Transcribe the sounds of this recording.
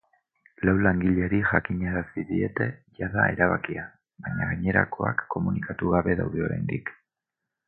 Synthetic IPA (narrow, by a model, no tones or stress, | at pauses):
lawlaŋɡiʎeɾiʝakiɲeɾasiðie̞t̪e̞ʝaðae̞ɾaβakia | baɲaɣaɲe̞ɾa̰ko̞a̰kʰːo̞munikat̪uɣaβe̞ðawðeo̞ɾḛjnd̪ik